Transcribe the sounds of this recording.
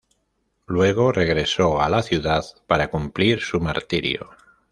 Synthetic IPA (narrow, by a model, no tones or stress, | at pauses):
lwe̞ɣ̞o̞re̞ɣɾe̞so̞alaθjuðaðpaɾakumpliɾsumaɾt̪iɾj̰o̰